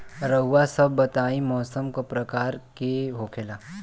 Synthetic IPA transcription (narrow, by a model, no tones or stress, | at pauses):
ɾəɦuʋasəbːət̪aːimɔːsəmkopɾəkaːɾkeɦokʰeːlaː